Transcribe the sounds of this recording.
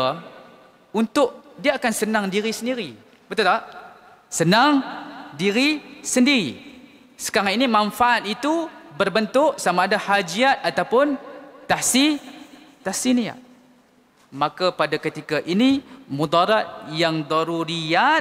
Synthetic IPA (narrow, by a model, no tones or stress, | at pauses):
unt̪ʊʔdiaakansənãŋdiɾisəndiɾi | bət̪ut̪a | sənaŋdiɾisəndiɾi | sə̥kaɾaninimãnfaʔat̪̚it̪ubərbənt̪ʊʔsamaːdahad͡ʒiat̪̚at̪awpʊnt̪ahsi | t̪ahsinia̰t̪̚ | mãkapadakət̪ikaʔinimud̪ɑɾat̪̚jaŋd̪ɔɾuɾia